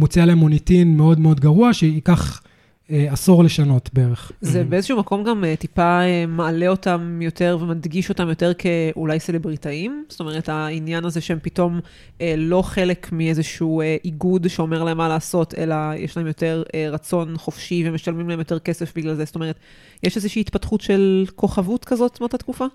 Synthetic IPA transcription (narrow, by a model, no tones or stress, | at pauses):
mut͡sialeemonitinmeo̞dmeo̞dɡaʁuaʃeikaχ | easuʁleʃano̞tbeeʁeχzebeezeʃuumako̞mɡametipaemaːle̞o̞tamjo̞te̞ʁvemadɡiʃo̞tamjo̞te̞ʁkʰeulajselebʁitaimz̥t̪o̞meʁ̞ethainjanazeʃehempito̞m | elo̞χe̞lekmiezeʃueʔiɡudʃeome̞ʁlae̞mːalaːso̞tʰḛlajʔeʃlahe̞mjo̞te̞ʁeʁɐt͡so̞nχofʃivemeʃalmimlaemjote̞ʁke̞sefbiɡlalzestome̞et̪ | jeʃezeʃiːtpatχutʃe̞lko̞χavutkazo̞t̪mot̪atkufa